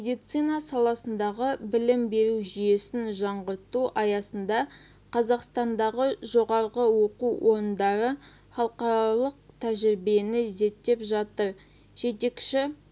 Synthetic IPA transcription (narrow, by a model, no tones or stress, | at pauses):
med̪ijt̪sijnɑsɑlˠɑsənd̪ɑʁəbɪlɪmbe̞ɾuʒije̞sɪnʒɑɴʁəɾt̪uʔɑjɑsənd̪ɑ | qʰɑzɑqst̪ɑnd̪ɑʁəʒo̞ʁɑɾʁəwo̞quwʔo̞ɾənd̪ɑɾə | χɑlˠqɑɾɑlˠəq̚t̪ʰæʒɪɾbe̞nɪze̞t̪ːe̞pʒɑt̪əɾ | ʒ̥e̞t̪e̞kʃɪ